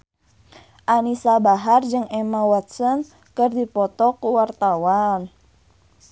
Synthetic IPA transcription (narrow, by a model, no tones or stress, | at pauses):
ʔanisabaɦard͡ʒɨŋemawat̪̚sɔn | kərd̪ipɔt̪ɔkuwart̪awan